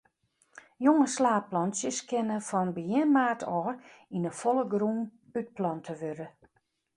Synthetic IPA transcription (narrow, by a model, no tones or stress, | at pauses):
joŋəslaːplɔnsjəskʰɪnəfɔnbəjɪnmaːtʰɔːinəfolˠəɡruːn | yt̚plɔntʰəʋøɾə